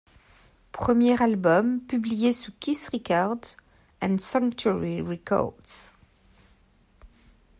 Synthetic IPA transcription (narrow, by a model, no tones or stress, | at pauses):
pχəmjeʁalbɔmpyblijesukʲisʁikaʁd | ɛ̃nsɑ̃ŋktuɹiʁɛkɔ̰ʁds